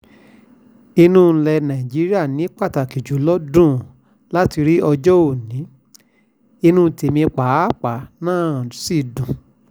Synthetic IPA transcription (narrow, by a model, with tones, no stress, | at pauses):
i˧nũ˦˨n̩˧lɛ˧nã˨i˨d͡ʒi˨˦ɾi˦a˦˨nĩ˨˦k͡pa˦˨ta˨ki˨d͡ʒu˨˦lɔ˦dũ˦˨ | la˦ti˧ɾi˦ɔ˧d͡ʒɔ˦o˦˨nĩ˨˦ | i˧nũ˦˨˧te˨mĩ˧k͡pa˨˦˨k͡pa˨˦nãː˦˨si˦˨dũ˨